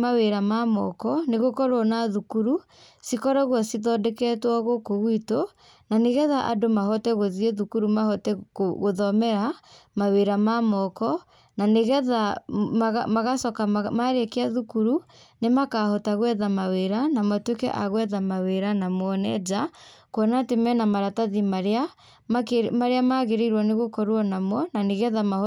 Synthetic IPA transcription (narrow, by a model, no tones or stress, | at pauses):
aweɾamamɔkɔneɣokɔɾwɔnaðukuɾu | sikɔɾaɣwɔsiðɔdɛkɛtwɔɣokoɣwito | naneɣɛðaʔa̰domaɦɔtɛɣoðieðukuɾumahɔtɛoɣoðɔmɛɾamaweɾamamɔkɔ | naneɣɛðaɣamaɣasɔkamaɾekeaðukuɾu | nemakahɔtaɣwɛðamaweɾanamatwekɛ̰ʔaɣwɛðamaweɾanamwɔnɛ̰d͡ʒakwɔnatemɛnamaɾataðimaɾea | mkmaɾeamaɣeɾiɾwɔneɣokɔɾwɔnamwɔnaneɣɛðama